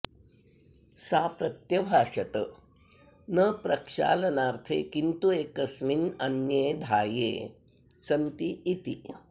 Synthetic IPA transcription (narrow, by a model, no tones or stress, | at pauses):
saːpɾɐt̪jɐbʱaːʂɐt̪ə | nəpɾɐkʂa̰ːlɐnaːɾt̪ʰḛːkint̪ueːkɐsminɐnjeːd̪ʱaːjḛː | sɐnt̪iːt̪i